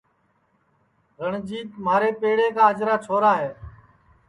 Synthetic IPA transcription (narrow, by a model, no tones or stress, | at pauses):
ɣəɳd͡ʒiːt̪maːɾeːpeːɽeːkaːəd͡ʒɾaːt͡ʃʰoːɾaːɦeː